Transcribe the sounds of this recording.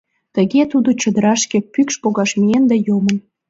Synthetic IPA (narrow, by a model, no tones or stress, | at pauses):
t̪ə̆ɣet̪ud̪ot͡ɕə̆d̪əɾɑʃkepykʃpoɣɑʃmiend̪æjomə̆m